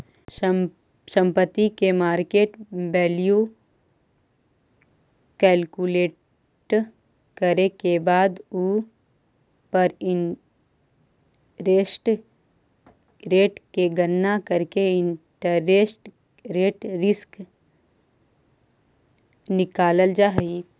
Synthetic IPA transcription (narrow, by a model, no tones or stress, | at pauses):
sə̃mpət̪ːikemaːɾkeːʈbɛːliju | kɛːlkuleː | ʈ | kəɾekebaːd̪u | pɐɾɪ | ɾeːsʈ | ɾeːʈkeɡənːakəɾkeɪ̃ɳʈəɾːeːsʈ | ɾeːʈɾɪsk | nɪkaːləld͡ʒaːɦi